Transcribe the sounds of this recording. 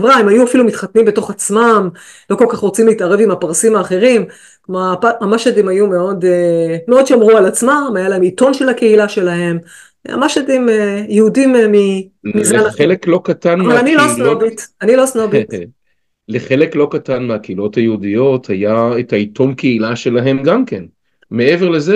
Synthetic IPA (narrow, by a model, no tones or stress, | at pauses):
vʁaimajuafilumit̪χatnimbe̞to̞χat͡smam | lo̞ko̞lkaχʁot͡simleitaʁe̞vimapaʁsimaːχe̞ʁim | kmapaamaʃadimajumeo̞demeo̞dʃamʁualat͡smamajalaemito̞nʃe̞lhake̞ilaʃe̞lahe̞m | a̰maʃadimejeudimmi | mizanχeleklo̞katanamvalanilosnobitanilosnobi | leχe̞leklo̞katanmeakeilo̞thajeudijo̞thajaetaitʰo̞mkeilaʃe̞laɦe̞mɡamken | me̞eveʁleze